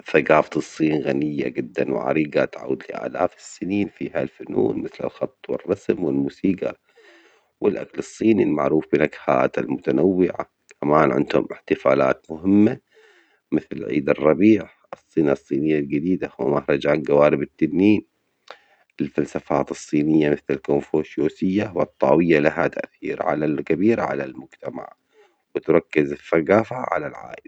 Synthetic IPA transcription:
faɡaːft̪ɨsˤːiːnɣanɪjːa̰d͡ʒɪd̪ːanw̰ʕa̰ɾiːɡat̪ʕa̰wd̪lɪʔa̰ːla̰ːfɪ̥sːɪniːnfiːha̰lfʊnṵːnmɪθlɪ̰lxɑt̪ˤːwɪ̰rˤːɑsmwɪlmuːsiːɡa | wɪlʔa̰kalɨsˤːiːnilmaʕɾuːfbɪnakha̰ːt̪almʊt̪anawːɪʕa̰ | kʰamaːnʕɪ̰nd̪hʊ̰mʔɪħt̪ɪfa̰ːla̰ːt̪mʊɦɪmːa | mɪθlɪlʕḭːd̪ɑrˤːɑbiːħ | ɨsˤːiːnasˤːiːnɪjːald͡ʒɪd̪iːd̪awɪmahɾˤɑd͡ʒaːnɡawaːɾɪbɪt̪ːabːiːn | ʔɪlfalsafaːt̪ɨsˤːiːnɪjːamɪθlɪlkomfoːʃjoːsɪjːawɨt̪ˤːɑ̰ːwɪjːalaɦat̪a̰ʔθḭːɾʕa̰lalkabiːɾʕa̰lalmʊd͡ʒt̪ama̰ʕ | wɪt̪ɾˤɑkːɪzɪθaɡaːfaʕa̰lalʕa̰ːʔɪl

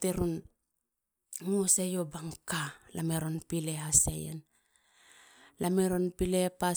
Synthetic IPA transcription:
teɾun | ŋuosejobaŋkalameɾo̞npileɦasḛjḛn | lʔameɾonpilepa

